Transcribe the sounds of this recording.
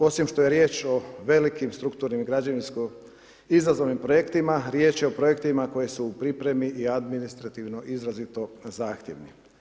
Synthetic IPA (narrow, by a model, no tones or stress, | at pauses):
o̞simʃt̪o̞jeɾje̞ːt͡ʃo̞ʋe̞likimst̪ɾukt̪uːɾnimiɡɾad͡ʑaninsko | izɾazo̞ʋnimpɾo̞jekt̪imaɾjeːt͡ʃjeopɾo̞je̞kt̪imako̞je̞suːpɾipɾe̞miʔiad̪minist̪ɾat̪iʋno̞ʔizɾazit̪o̞zaːxt̪jeʋni